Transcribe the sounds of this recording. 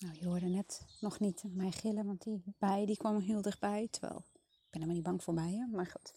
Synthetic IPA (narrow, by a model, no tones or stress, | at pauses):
nawjoədənɛtnɔxnitmɛjxɪləʋɔntdibɛjdikʰʋɔmɦilˠdəxbɛjtʰəʋɛ̰lˠ | ɪɡ̚b̥ɪnɛmanit̚baŋkfoɹbɛjəmaxut